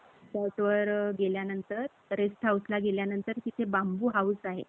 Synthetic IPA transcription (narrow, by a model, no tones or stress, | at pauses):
səʈʋəɾɡeljanənt̪əɾ | ɾest̪ʰauslaɡeljanənt̪əɾkit̪ʰebambuːɦawsaɦḛ